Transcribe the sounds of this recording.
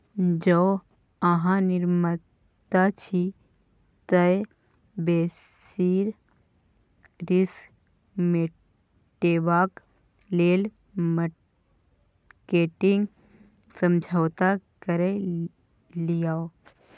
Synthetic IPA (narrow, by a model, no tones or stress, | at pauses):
d͡ʒoː | əɦãnɪɾmə | t̪at͡ʃʰi | t̪əe | beː | s | iːɾ | ɾɪs | me | ʈeːbaːk | leːl | mə | keːʈɪ̃ŋɡ | sə̃md͡ʒʱawt̪akəɾe | lijao